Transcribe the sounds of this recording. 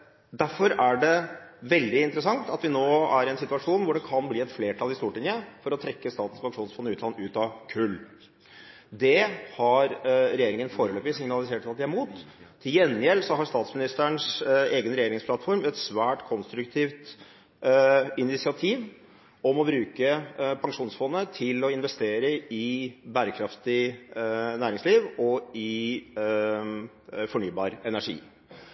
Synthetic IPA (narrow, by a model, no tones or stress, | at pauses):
d̪æɾfɔɾæɖɛʋɛld̪ɪɪnt̪əɾəsɑŋt̪ɑt̪ʋɪnoːæɾɛnsɪt̪ʉʋɑʂuːnʋʊɖɛkʰɑnbliːɛt̪fleːʈʰɑlɪst̪uːʈɪŋjəfɔɾɔt̪ʰɾɛkːəst̪ɑːt̪n̩spɑkʂuːnsfɔnːəʉːt̪lɑnʉːt̪ɑkʰʉlː | d̪ɛhɑɾɾɛjeːɾɪŋənfoːɾəløːpʋɪsɪŋnɑlɪseːʈɑt̪d̪ɛæɾmuːt̪ʰː | ɪjɛnːɪɛlsɔɦɑɾst̪ɑːt̪smɪnɪst̪ɳseːɡənɾɛjeːɾɪŋspʰlɑt̪ːfɔɾmɛt̪sʋæːʈkʰɔnst̪ɾʉkt̪ʰiːʋt̪ | ɪnɪsɪɑt̪ʰiːʋ | ɔmɔbɾʉːkəpʰɑŋʂuːnsfɔnːət̪ʰɪlɔɪnʋɛst̪eːɾəɪbæːɾəkʰɾɑft̪ɪ | næːɾɪŋsliːʋɔɪ | fɔɳyːbɑ̰ːɾɛnæʂḭː